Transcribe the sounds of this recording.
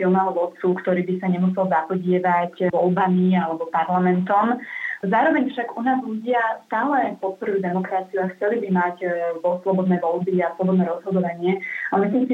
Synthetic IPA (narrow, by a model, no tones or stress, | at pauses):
filmalɔʋɔt̪t͡sukt̪ɔɾiːbisaɲɛmusɛlzapɔɟɪɛʋacʋɔlbamialɛbɔpaɾlamɛnt̪ɔmzaːɾɔʋɛɲfʃaɡunaːzʎuɟɪast̪aːlɛpɔt̪̚pɔɾujud̪ɛmɔkɾat͡siuaxt͡sɛlibimacɔslɔbɔd̪nɛjʋɔlbiaslɔbɔd̪nɛːɾɔz̥ɦɔd̪ɔʋaɲɪɛamislimsi